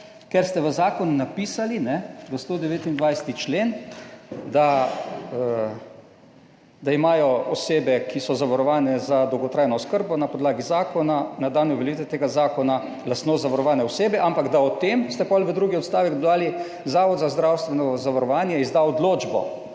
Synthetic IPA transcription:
kɛɾst̪ɛʋəzaːkɔnunapiːsalinɛʋəst̪oːd̪ɛʋeːt̪ind̪ʋajsɛ̥t̪it͡ʃleːn | d̪a | ə | d̪aimaːjɔɔseːbɛkʰisɔzaʋaɾɔʋaːnɛzad̪ɔwɡɔt̪ɾaːjnɔskəɾbɔnapɔd̪laːɡizaːkɔnanad̪aːnɔʋɛlit̪ɛt̪eːɡazaːkɔna | last̪nozaʋaɾɔʋaːnɛɔseːbɛʔampaɡd̪aɔt̪emst̪ɛpɔlʋəd̪ɾuːɡiɔt̪st̪aːʋɛkd̪d̪aːli | zaːʋɔd̪zazd̪ɾawst̪ʋɛnɔzaʋaɾɔʋaːnjɛizd̪aɔd̪loːd͡ʒbɔ̰

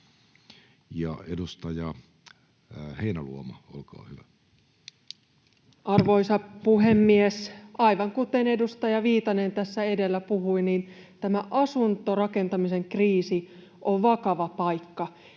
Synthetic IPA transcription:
jɑ̰edust̪ɑjɑ | heinælṵomɑo̰lkɑ̰ːhyʋæ | ʔɑrʋo̞isɑpuɦemːiesɑiʋɑŋkut̪e̞ne̞dust̪ɑjɑʋiːt̪ɑne̞nt̪æsːæe̞de̞lːæpuhuiniːn | t̪æmæʔɑsunt̪orɑke̞nt̪ɑmise̞ŋkriːsi | ʔoʋʋɑkɑʋɑpɑjkːɑ

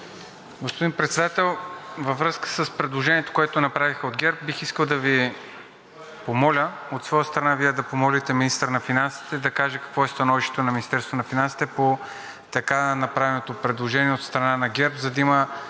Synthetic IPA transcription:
ɡospod̪inpɾɛt̪sɛd̪at̪ɛlˠvəvɾɤskə̥səspɾɛd̪lˠoʒɛniɛt̪o̥koɛt̪onɐpɾavixəod̪ɡʲɛɾp̚bixiskəlˠd̪ɐvi | pomɔlʲə | ot̪svɔjəst̪ɾɐnaviɛd̪ɐpomɔlit̪ɛminist̪əɾnɐfinansi̥t̪ɛd̪ɐkaʒɛkɐ̥kvɔɛst̪ɐnɔviʃt̪ɛ̥t̪onɐminist̪ɛɾst̪vonɐfinansi̥t̪ɛpo | t̪ɐkanɐpɾavɛnot̪opɾɛd̪lˠoʒɛniɛot̪st̪ɾɐnanɐɡʲɛɾpzɐd̪ɐimə

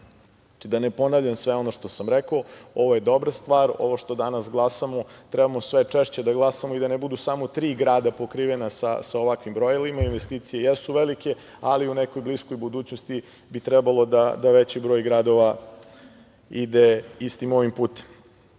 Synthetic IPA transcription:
aid̪anepo̞naʋvʎamsʋeo̞noʃt̪o̞samɾekooo̞ʋoje̞d̪o̞bɾast̪ʋaːɾo̞̰ʋoʃt̪o̞d̪anasɡlˠasamot̪ɾɛbamosʋet͡ʂeʃt͡ɕed̪aɡlˠasamoid̪anebud̪usamot̪ɾiːɡɾaːd̪apokɾiːʋenasa̰saoʋakʋimbɾojelimainʋest̪iːt̪sijejesuʋelike̞ | aliuneko̞jbliskojbud̪uːt͡ɕnost̪i | bit̪ɾɛbalˠo̞d̪ad̪aʋet͡ɕibɾo̞jɡɾad̪o̞ʋa | id̪eist̪imoʋimpuːt̪e̥m

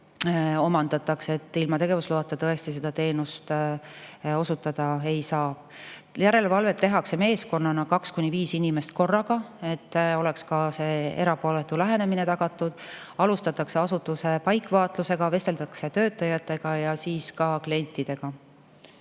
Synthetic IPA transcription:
o̞mɑnd̪̥ɑt̪ːɑkse̞t̪ːˑilmɑt̪e̞ɡ̥e̞vusluɑt̪ːˑet̪ɤest̪ise̞d̪̥ɑt̪e̞ːnust̪ | o̞sut̪ːˑɑd̪̥ɑe̞jsɑ̥ː | jæɾe̞levɑlve̞t̪ːe̞ɦɑkse̞me̞ːsko̞nːɑnɑkɑkskunʲiviːsinʲimest̪̚ko̞rːɑɡɑe̞t̪ːo̞le̞kskɑse̞ːe̞ɾɑpo̞let̪ˑːulæɦe̞ne̞minet̪ɑɡ̥ɑt̪ːˑud̪̥ | ɑlust̪ɑt̪ːˑɑkseɑsut̪ːˑuse̞pɑjkːˑvɑːt̪luse̞ɡɑve̞st̪e̞lt̪ɑkse̞t̪ø̞ːt̪ːˑɑjɑt̪ːˑe̞ɡ̥ɑjɑsiːskɑklie̞nʲt̪ːˑid̪̥e̞ɡ̥ɑ

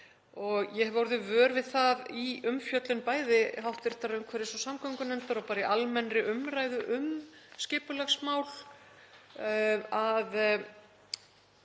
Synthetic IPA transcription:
ɔɣjɛhɛvɔwɾðʏvœːɾvɪðθaðiʏmfjœt̪lʏnpaːjðɪɦawht̪vɪɾ̥t̪aɾʏmkʰvɛɾɪsɔsamkʰœŋkʏnɛnt̪aɾɔpaːɾɪʔalmɛnɾɪʔʏmraːjðʏʔʏmscɪːpʏlaɣsmaːwl̥ | að

